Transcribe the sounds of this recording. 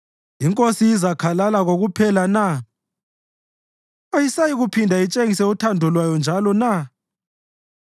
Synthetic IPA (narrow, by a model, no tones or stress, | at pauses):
iŋkʼosiːzakʰalalaɣoɣupʰɛlana | ajisajiɣupʰindʱait͡ʃʼeŋisɛutʰandʱulwajɔnd͡ʒʱalɔna